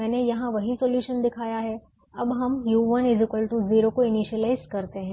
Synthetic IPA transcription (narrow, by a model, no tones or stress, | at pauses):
mɛːnejɐɦãʋɐɦisoːljuːʃənd̪ɪkʰaːjaɦɛ | ɐbɦɐmjuːʋɐnɪzɪkəlʈuziːɾokoɪniʃəlaːɪzɖkɐɾt̪eɦɛ̃